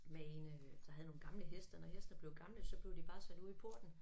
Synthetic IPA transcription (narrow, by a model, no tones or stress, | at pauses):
meend̥ɑ̈ɦæð̩ˠno̝ːnɡ̥ɑ̈mləɦesd̥ɐnɒhesd̥nəb̥le̝ʊɡ̥ɑ̈mləsɒ̽b̥le̝ʊd̥ib̥ɑ̈ːsæd̥uðˠpʰo̝ɐ̰d̥n̩